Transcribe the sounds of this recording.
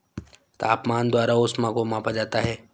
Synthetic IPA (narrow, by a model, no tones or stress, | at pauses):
t̪a̰ːpmaːnd̪waːɾaʊsmãkomãːpad͡ʒaːt̪aɦɛː